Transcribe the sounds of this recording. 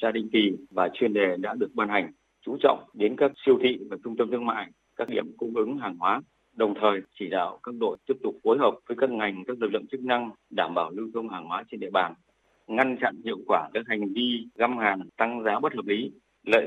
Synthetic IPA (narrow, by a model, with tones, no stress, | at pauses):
zaː˧ɗï˧˨ŋki˨˩vaː˨˩t͡ɕwi˧˩ənɗe˨˩ɗa̰ː˧˥ɗɨ˨˩ək̚ɓaː˧nha˨˩jŋ̟ | t͡ɕu˨˦t͡ɕɔ̰˧˨wŋ͡mɗe˨˦nkaː˦˥k̚si˧əwt̪ʰḭ˧˨vaː˨˩t͡ɕʊ˧ŋ͡mt̪ə˧mt̪ʰɨ˧əŋma̰ː˧˨j | kaː˦˥k̚ɗḭ˧˩əmkʊ̰˧˥ŋ͡mʔɨ˨˦ŋɦaː˨˩ŋhwaː˨˦ | ɗə˨˩wŋ͡mt̪ʰəː˨˩jt͡ɕi˧˩ɗa̰ː˧˨wkaː˦˥k̚ɗo̰˧˨jt̪i˦˥əp̚t̪ʊ˨˩k͡p̚fo˨˦jɦəː˨˩p̚vəː˨˦jkaː˦˥k̚ŋa˨˩jŋ̟kaː˦˥k̚lɨ˨˩lɨ̰˧˨ŋt͡ɕɨ˦˥k̚na˧ŋɗaː˧˩mɓaː˧˩wlɨ˧wt̪ʰu˧ŋ͡mhaː˨˩ŋhwaː˨˦t͡ɕe˧nɗḭ˧əɓaː˨˩n | ŋa˧nt͡ɕa̰˧˨nhḭ˧˨əwkwaː˧˩kaː˦˥k̚ha˨˩jŋ̟vi˧ɣa˧mhaː˨˩nt̪a˧ŋzaː˨˦ɓə˦˥t̚həː˨˩p̚li˨˦ | lə̰ː˧˨